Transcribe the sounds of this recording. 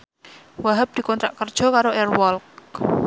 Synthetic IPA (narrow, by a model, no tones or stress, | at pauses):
waɦəp̚d̪̥i̤kɔnt̪ɾaʔkərd̥ʒ̥ɔ̤kaɾoɛrwɔlk